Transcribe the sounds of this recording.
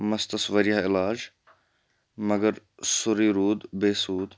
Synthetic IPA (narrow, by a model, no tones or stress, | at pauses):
mɐst̪ɐsʋɐɾijaɪlaːd͡ʒ | mɐɡəɾ | sʊɾiːɾuːd̪beːsuːd̪